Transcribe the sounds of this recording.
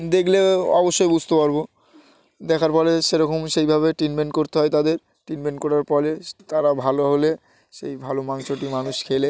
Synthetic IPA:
d̪ekʰleɔ̰boʃːojbud͡ʑʱt̪epaɾbo | d̪ɛkʰaɾpɔɾeʃeɾɔkʰomʃejbʱaβeʈinmeɳʈkoɾt̪eɦɔet̪ad̪eɾ | ʈinmeɳʈkɔɾaɾpɔlet̪aɾabʱaloɦole | ʃḛjbʱalomaŋʃoʈimanuʃkʰele

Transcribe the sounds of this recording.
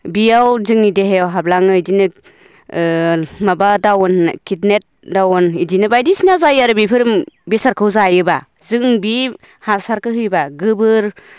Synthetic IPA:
bijawzɯŋideɦejawɦablaŋɯidinɯ | mabadawnkʰitnet̚dawɔnidinɯbajdisinazajaɾɯbipʰɯɾɯmbisaɾkʰɯwzajɯba | zɯŋbi | hasaɾkɯɦɯjbaɡɯbɯɾ

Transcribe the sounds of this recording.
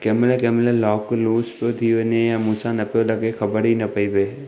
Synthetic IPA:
kɛːmlekɛːmlelɔːkluːspod̪ʱiʋenejamuːsanɐpolɐɡexʰɐbəɾɦinɐpəibe

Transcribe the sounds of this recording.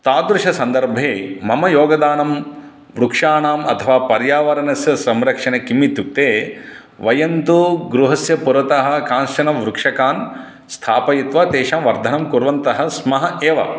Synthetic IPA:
t̪aːd̪ɾuʂɐsɐnd̪ɐɾbʱeːmɐmɐjoːɡɐd̪aːnɐm | ʋɾukʂaːɳaːmɐt̪ʰɐʋaːpɐɾjaːʋɐɾɐnɐsjɐsɐmɾɐkʂɐnɐkimːit̪juk̚t̪eː | ʋɐjɐnt̪uɡɾuɦɐsjɐpuɾʋɐt̪ɐɦɐ̆kaːnʃɐnɐmʋɾukʂɐkaːn | st̪ʰaːpɐjit̪ʋaːt̪eːʃaːmʋɐɾd̪ʱɐnɐmkuɾʋɐnt̪ɐɦɐ̆smɐɦɐeːʋɐ̰

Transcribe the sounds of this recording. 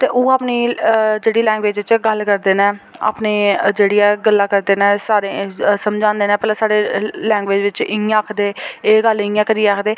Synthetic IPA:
t̪eːʔõːaːpniːd͡ʒeːɽiːlɛ̃ːŋɡʋeːd͡ʒʋɪt͡ʃːɡəlkəɾd̪eːnɛ̃ːa̰ːpneːd͡ʒeːɽiːɛːɡəlːaːkəɾd̪eːnɛ̃ːsaːɾeːsəmd͡ʒãːnd̪eːnɛ̃ːpəlaːsaːɽeːlɛ̃ːŋɡʋeːd͡ʒʋɪt͡ʃɪŋːãːəkʰd̪eːeːɡəlɪ̃ŋãːkəɾiːeːaːkʰd̪eː

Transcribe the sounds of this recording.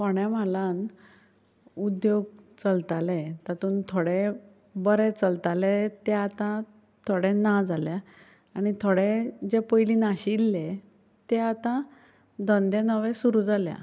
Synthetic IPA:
pɔɳjãm̤alan | ud̪joɡ̚t͡səlt̪alet̪at̪uːnt̪ʰoɽe | bəɾɛt͡səlt̪alet̪ɛat̪ã | t̪ʰoɽenad͡zalja | aɽ̃it̪ʰoɽed͡ʑepəjlinaɕilːe | t̪ɛat̪ã | d̪ənd̪ẽnəʋɛ̃suɾuːd͡zaljã̰

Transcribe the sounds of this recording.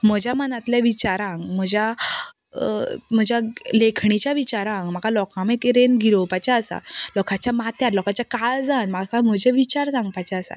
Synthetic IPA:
m̤əd͡ʑʱjamənat̪leʋit͡ɕaɾãŋɡm̤əd͡ʑja | m̤əd͡ʑjalekʰɳit͡ɕjaʋit͡ɕaɾãŋɡm̤aɡalɔkamekɾenɡʱiɾopat͡ɕaːsa̰lɔkʰat͡ɕjamat̪jat̪lɔkat͡ɕjakald͡zanmakam̤əd͡ʑʱeʋit͡ɕaɾsãŋɡpat͡ɕaəsa̰t̪

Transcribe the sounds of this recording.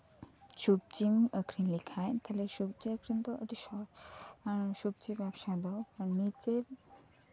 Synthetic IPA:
sup̚t͡ʃiməkʰɾinlikʰajt̪ʰalesup̚t͡ʃiəkʰɾind̪ɔədisɔɾ | sup̚t͡ʃibapsad̪ɔnit͡ʃe

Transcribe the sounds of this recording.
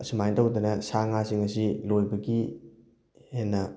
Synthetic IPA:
ɐsumajntɐwd̪ɐnɐsaŋasiŋɐsilojbɐɡi | henːɐ

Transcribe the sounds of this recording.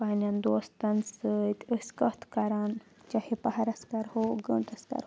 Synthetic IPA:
panʲɐnd̪oːst̪ɐnsɨt̪ʲəsʲkɐt̪ʰkɐɾaːnt͡ʃahipɐɦɐɾɐskɐɾhoɡəɳʈɐskɐ̰ɾ

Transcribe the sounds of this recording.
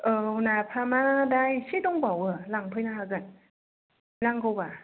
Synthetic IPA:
ʔɤːunapʰamadaːjsʰit̪oŋbawəlaŋpʰɯjnaakan | laŋkoba

